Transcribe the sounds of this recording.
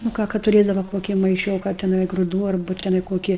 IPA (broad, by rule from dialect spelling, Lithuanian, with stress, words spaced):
nʊ ˈkɑː kɐt tʊˈrʲeːdɐʋɐ ˈkoːkʲɪ mɐɪˈʃʲoːkɐ tʲɛˈnɐɪ ɡrʊˈduː ɐrˈbʊ tʲɛˈnɐɪ ˈkoːkʲɪ